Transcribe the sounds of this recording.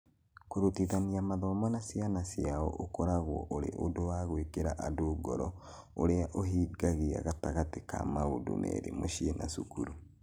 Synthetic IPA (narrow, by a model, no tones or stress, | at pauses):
koɾotiðaniamaðɔmɔnasianasiaɔʔokɔɾaɣwɔ̰ʔoɾḛʔodowaɣwekeɾaʔadoɡɔɾɔ | oɾeaʔoɦiɡaɣea̰ɣataɣateka̰maodṵnɛ̰ɾḛmoʃiena̰sukuɾu